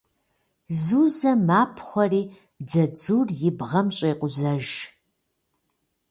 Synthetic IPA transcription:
zuːzɐmaːpʰχʷɔriː | d͡zɐd͡zuːrjɪbʁɐmɕʼeːqʷʊzɐʒ

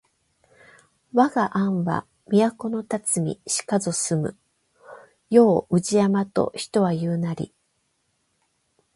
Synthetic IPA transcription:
βaɡaʔãɰ̃βa̰ | mʲiako̞no̞t̪at͡sɨmʲḭɕi̥kazo̞sɨmɯ̟̰ | jo̞ːɯ̟ʑiamat̪o̞̰çi̥t̪o̞βajɯːnaɾʲḭ

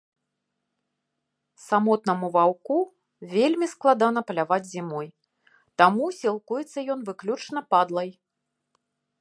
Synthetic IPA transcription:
samɔt̪̚nɐmuvawku | vʲelʲmʲisklˠad̪an̪ɐpɐlʲavad͡zʲzʲimɔj | t̪amusʲilˠkujɛt̪sːɐjɔnvɨklʲut͡ʂnɐpad̪lˠɐj

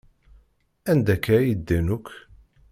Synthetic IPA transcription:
ænd̪ækːæjid̪ːænukʷʰː

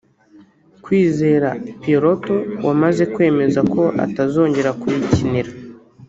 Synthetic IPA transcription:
kwiːze̞ɾapeɾo̞to̞wamaze̞kwe̞ːme̞zako̞ʔa̰tazo̞ːɲɟe̞ɾakuɾiciniɾa

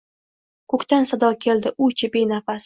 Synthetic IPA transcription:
kʰɵkʲt̪ansad̪ɒkʲʰe̞ld̪ɪʔʊt͡ʃʰɪbenafas

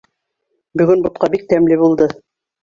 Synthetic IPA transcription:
bɵ̆ɡɵnbŏt̪̚qɑbik̚t̪æmlɘbulˠd̪ɤ

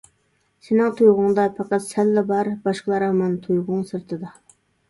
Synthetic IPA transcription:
sɪnɪŋt̪ʰujʁʊŋd̪ɑpʰɑqɑt̪sɛlːɛbɑɾbɑʃqəlˠɑɾɑmɑnt̪ʰujʁʊŋsɨɾt̪ʰɨd̪ɑ

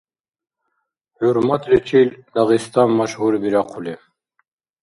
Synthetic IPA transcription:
huɾmat̪ʰlit͡ʃʰild̪ɑʁist̪ʰanmaʃhuɾbiɾaqʰuli

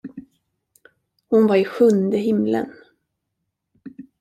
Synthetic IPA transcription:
hʊnvaɾɪɧɵnd̪əɦɪmlə̰n

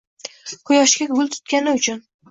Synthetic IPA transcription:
qʰʊjɒʃkʲaɡʊlˠt̪ʰʊ̥t̪̚kʲanɪʊt͡ʃʰʊn

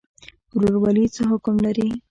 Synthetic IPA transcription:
ɾoɽwalit͡səɦʊkʊmlaɾi

